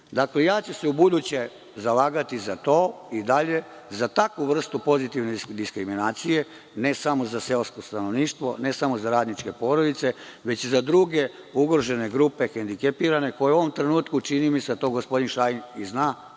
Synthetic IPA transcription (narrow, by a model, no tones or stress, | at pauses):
d̪akle̞jaːt͡ɕeseubud̪ut͡ɕe̞ | zalaːɡat̪izat̪o̞ːid̪aʎe̞ | zat̪akʋuʋr̩st̪upo̞zit̪iʋned̪iskɾiminaːt̪sije̞ | ne̞samo̞zase̞lskost̪ano̞ʋniːʃt̪ʋo̞ne̞samozaɾaːd̪nit͡ʃke̞po̞ːɾo̞d̪it̪se̞ʋe̞t͡ɕizad̪ɾuɡe̞ | uɡɾoʒe̞ne̞ɡɾupe̞xend̪ikepiɾane̞ko̞jeuoʋo̞mt̪ɾe̞nuːt̪kut͡ʃinimised̪at̪o̞ːɡo̞spo̞d̪inʃajiniznaː